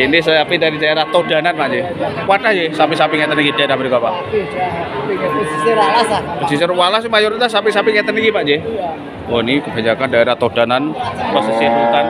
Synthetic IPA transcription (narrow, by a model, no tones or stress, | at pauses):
inɪsajapidaɾidaeɾaht̪od̥a̤nanpaʔd͡ʒewaʈahd͡ʒesapisapiŋɛt̪əniŋid̥aeɾahməɾikaʔpa̰ʔ | isalasapəd͡ʒis̬eɾwalasimajoɾit̪asːapisapiŋɛt̪ənikipaʔd͡ʒe | wɔnikəb̥a̤ɲakandaeɾaht̪od̥a̤nanpəsəsiput̪an